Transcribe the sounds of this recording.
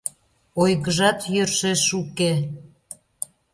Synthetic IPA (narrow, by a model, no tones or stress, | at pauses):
ojɣəʒɑt̪jørʃeʃuke